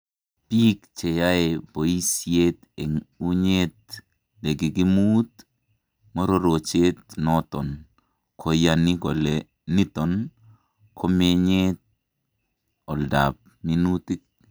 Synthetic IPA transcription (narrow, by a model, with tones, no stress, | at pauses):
pi˦kt͡ʃe˨ja˦e˨bo˨i˦sjet̪e˨ŋu˦ɲet̪̚ | le˨ɡi˨ɡi˦mu˦t̪ | mɔ˦ɾo˦ɾo˨t͡ʃe˦t̪̚nɔt̪ɔn | kʰɔ˨jani˦kɔ˨lɛ | ni˦tɔ˨n | kʰɔ˦me˦ɲet̪̚ | ɔ˨lda̰p̚mi˦nu˦ti˦k̚